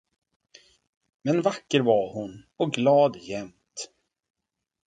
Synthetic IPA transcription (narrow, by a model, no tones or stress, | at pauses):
mɛnvakːəɾvaɾhʊnɔɡlɑːd̪jɛmt̪